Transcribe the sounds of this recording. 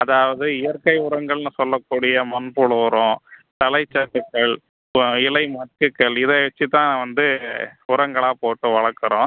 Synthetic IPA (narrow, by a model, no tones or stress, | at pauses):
ɐðaːʋɐðɯɪjɐɾkɐɪʊɾɐŋɡɐɭnɯsɔlːɐkːuːɽɪjɐmɐnpuɭʊɾõːt̪ɐlɐɪt͡ʃːɐkːɯkːɐɭ | ɪlɐɪmɐʈkɯkːɐɭɪðɐʋɐt͡ʃːit̪ãːãʋɐnd̪ɯʊɾɐŋɡɐɭaːpoːʈːɯʋɐɭɐɾkːɯɾõː